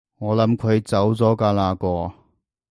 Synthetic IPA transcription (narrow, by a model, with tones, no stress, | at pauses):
ŋɔː˨˧lɐ˨˥mkʰɵ˨˧ɥt͡sɐ˨˥wt͡sɔː˨˥kaː˧laː˧kɔː˧